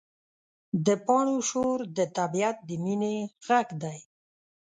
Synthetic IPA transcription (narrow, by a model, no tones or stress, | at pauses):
d̪əpɑɳoʃoɾd̪ət̪abiat̪̚d̪əmineɣaɡd̪aj